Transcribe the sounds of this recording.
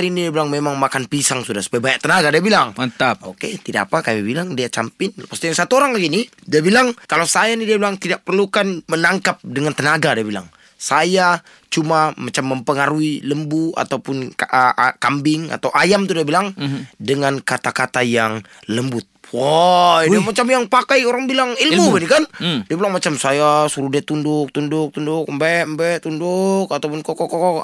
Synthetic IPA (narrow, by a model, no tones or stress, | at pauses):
ɾinidiabilaŋmemaŋmakanpisaŋsudahsu̥pajabajaʔt̪ənaɡadiabilaŋt̪aoket̪idaapakamibilaŋdiat͡ʃampɪnpast̪ijaŋsat̪uoɾaŋlaɡinidiabilaŋkalawsajanidiabilaŋt̪idak̚pərlukanmənaŋkap̚dəŋant̪ənaɡadiabila̰ŋ | saja | t͡ʃumamat͡ʃamːəmpəŋaɾuiləmbua̰t̪awpʊnkʔəkambɪŋa̰t̪awʔajamt̪udiabilaŋdəŋankat̪akat̪ajaŋ | ləmbʊt̪̚wɔamat͡ʃamjaŋpakajoɾaŋbilaŋilmubɛnikandiabilaŋmat͡ʃamsajasuɾudɛt̪undʊk̚t̪undʊk̚t̪undʊk̚mbɛmbɛʔt̪undukat̪awpʊnkɔkɔkɔkɔ